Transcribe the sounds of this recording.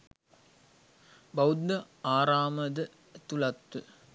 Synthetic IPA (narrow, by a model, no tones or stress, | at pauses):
bɐwud̪ːɐ | aːɾaːməd̪ə | t̪ulɐt̪ːu